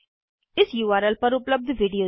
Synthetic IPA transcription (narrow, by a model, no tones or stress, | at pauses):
ɪsjuːʋaːɾəlpəɾʊpləb̚d̪ʱʋiɖijoː